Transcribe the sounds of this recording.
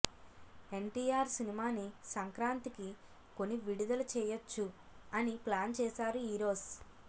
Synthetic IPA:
e̞ɳʈiːjaːɾsinimaːnisɐŋkɾaːnt̪iki | ko̞nːiʋiɽud̪ɐlut͡ʃɛːjɐt͡ʃːuɐniplaːnt͡ʃɛːsaːɾuiːɾo̞ːz

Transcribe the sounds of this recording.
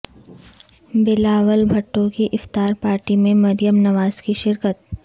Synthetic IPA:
bɪlaːʋəlbʱɐʈːõkiʔɪft̪aːɾpaːɾʈimẽmɐɾɪjəmnɐʋaːz̥kiʃɪɾkət̪̚

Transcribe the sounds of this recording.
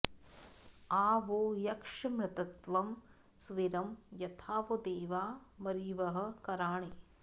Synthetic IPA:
aːʋoːjɐkʂɐmɾɪt̪ɐt̪ʋɐm | sʋiɾɐmjɐt̪ʰaːʋod̪eːʋaːmɐɾiːʋɐɦɐ̆kɐɾaːɳe

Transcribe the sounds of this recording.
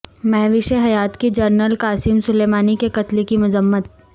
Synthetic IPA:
mɛɦʋɪʃeɦɐjaːt̪kid͡ʒɐɾnəlkaːsimsʊleːmaːnikekɐt̪likimʊzəmːət̪̚

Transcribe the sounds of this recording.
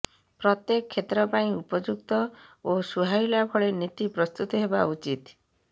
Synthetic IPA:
pɾɔt̪jekɔkʰːet̪ɾɔpaĩupɔd͡ʒuk̚t̪ɔosuɦajlakʰɔɭenit̪ipɾɔst̪ut̪ɔɦebaut͡ʃit̪

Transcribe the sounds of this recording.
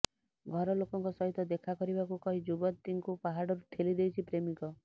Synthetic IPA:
ɡʱɔɾɔlokɔŋkɔsɔɦit̪ɔd̪ekʰakɔɾibakukɔɦid͡ʒubɔt̪ːiŋkupaɦaɽɔɾuʈʰelid̪ejt͡ʃʰipɾemikɔ

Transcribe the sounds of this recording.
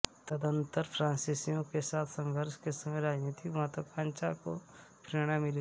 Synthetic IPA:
t̪əd̪ə̃nt̪əɾpʰɾãːnsisijõkesaːt̪ʰsə̃ŋɡʱəɾʃkesɐməjɾaːd͡ʒniːt̪ʰiʋɦãt̪okãːnt͡ʃako | pɾeːɽ̃amɪli

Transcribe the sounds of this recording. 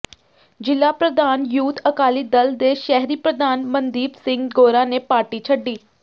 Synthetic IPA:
d͡ʒɪlaːpɾəd̪aːnjuːt̪ʰəkaːliːd̪əld̪eːʃɛɦɾiːpɾəd̪aːnmənd̪iːbsɪ̃ŋɡɡoːɾãːneːpaːɾʈiːt͡ʃʰəɖːiː

